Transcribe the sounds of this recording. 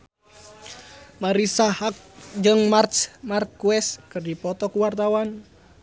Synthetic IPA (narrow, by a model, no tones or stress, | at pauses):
maɾisahak̚d͡ʒɨŋmarsmarkːuɛskɨrdipɔt̪ɔkuwart̪awan